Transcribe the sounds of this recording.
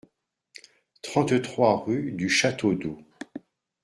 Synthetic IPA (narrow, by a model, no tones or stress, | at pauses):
t̪χɑ̃t̪t̪χwaʁyd̪yʃat̪od̪o